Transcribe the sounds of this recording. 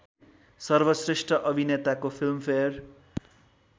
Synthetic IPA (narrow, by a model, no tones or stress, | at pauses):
sʌrbʌsresʈrʌʔʌbʱinet̪akopʰilmpʰeʌr